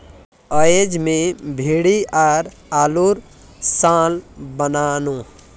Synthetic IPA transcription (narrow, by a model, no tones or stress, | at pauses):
əed͡ʒmẽbʱiːɽiaːɾ | aːluɾ | sãːlbənaːnũ